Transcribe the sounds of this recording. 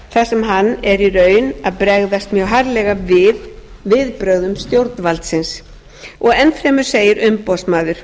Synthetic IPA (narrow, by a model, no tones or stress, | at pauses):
θasɛmɦanːɛɾirœːɥnaðpɾɛɣðast̪mjœwɦaɾlɛɣavɪð | vɪðpɾœɣðʏmst̪jowɾt̪nvalt̪sɪns | ɔɣɛnfɾɛːmʏɾ̥seːjɪɾʏmpɔsmaːðʏɾ̥